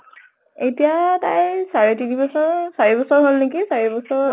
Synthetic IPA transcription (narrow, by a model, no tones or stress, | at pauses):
etijata̰jsaɹɛtinibɔsɔɹsaɹibɔsɔɹɦolnekisaɹɛbɔsɔɹ